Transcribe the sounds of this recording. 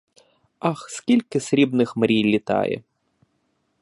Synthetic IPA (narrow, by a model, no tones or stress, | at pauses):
ɑxskʲilʲkɪsɾʲibnɪxmɾʲijlʲit̪ɑ̰jɛ̰